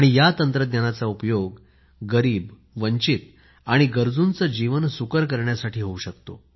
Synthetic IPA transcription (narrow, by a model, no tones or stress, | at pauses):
aɽ̃ijat̪ənt̪ɾəd̪njanat͡saupjoɡː | əɾiːb | ʋəɲt͡ɕit̪̚ | aɽ̃iɡəɾd͡zunt͡səd͡ʑiʋənsukəɾk̬əɾɳjasaʈʰiːɦouɕəkt̪o̰